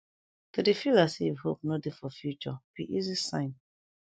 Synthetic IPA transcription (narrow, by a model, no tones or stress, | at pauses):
todefilasiivhop̚nodefɔfjut͡ʃɔpiʔizisã̰ɪ̃n